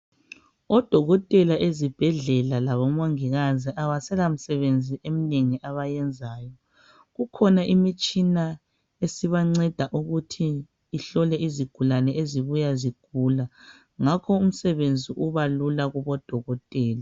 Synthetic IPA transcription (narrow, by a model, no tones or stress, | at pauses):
ɔd̥ʱɔɣɔtʼɛlaʔezib̥ʱɛɮɛlalaβɔmoŋiɣaziʔaβasɛlam̩sɛβend͡zʱiʔemineŋiʔaβajɛnd͡zʱaːjɔ | ɣukʰɔnaʔimit͡ʃʼina | esiβaŋ͡ǀɛd̥ʱaʔuɣutʰiː | ɬɔlɛiziɡ̥ʱulanɛʔeziβujaziɡ̥ʱula | ŋakʰɔum̩sɛβend͡zʱiʔuβalulaɣuβɔd̥ʱɔɣɔtʼɛːla